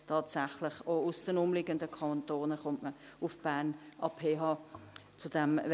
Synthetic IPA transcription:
tʰɑːtsaχlɪχoʊsd̥ənʊmlɪɡəndəkʰɑnt̪oːnəχʊmtmə | ʊfb̥aːnʔɑːpʰeːɦɑː | t͡sʊd̥ɛm

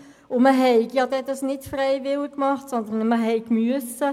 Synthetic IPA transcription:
ʊməɦɛɪɡjɑd̪ɛd̪ɑsnɪtfrɛɪʋɪlɪkːmɑχtsɔnd̪ənməɦɛɪkmyəsə

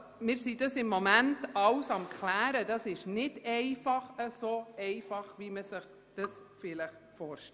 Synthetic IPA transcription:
mɪːɾsidɑsɪmːomæntɑwsɑmkʰlæːɾəd̥ɑsɪʃnɪdɛɪfɑχəsoɛɪfɑχʋiməsəχ | d̥ɑsfɪləχ | fɔːɾʃtɛ

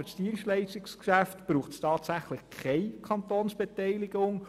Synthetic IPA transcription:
stiənʃtlɛɪʃtɪkskʃæftb̥ɾuːχtstɑːtsæχlɪχkʰχɛɪkʰɑntoːnsb̥ɛtɛɪlɪɡ̥ʊŋ

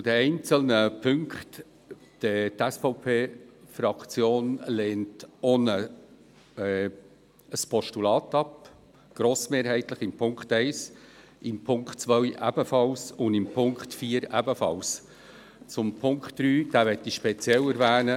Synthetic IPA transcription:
t͡sʊd̥̪ɛɛɪnt͡səlnəpʰʏŋkχt | d̥ət̪ɛsfɔʊpʰeːfɾɑkt͡sjoːnleːntonə | ɛ | əspʰɔʃtulɑːt̪ɑp | ɡ̥ɾoːsmeːɾɦɛɪt̪ləχɪmpʰʊŋkχtɛɪs | ɪmpʰʊŋkχtt͡sʋœjʔæb̥əfɑlsʊndɪmpʰʊŋkχtfiːəɾæbəfɑ̰ls | t͡sʊmpʰʊŋkχtd̥ɾyːd̥æːvɛtːiʃpɛt͡sjɛləɾvæːnə

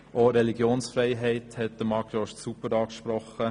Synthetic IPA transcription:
ʔoɾɛliɡjoːnsfɾɛɪɦɛɪthɛt̚d̥̪əmɑɡjoːʃtsupəɾɑːkʃpɾɔχə

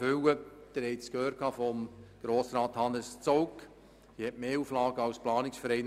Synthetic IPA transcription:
ʏwəd̥̪əɾhɛɪtskhøːrkʰɑːfɔmɡ̥ɾoːsɾɑːt̪hɑnəst͡sowk | ihɛtmeːuːflɑːɡəɑwsplɑːnɪksfəɾɛɪn

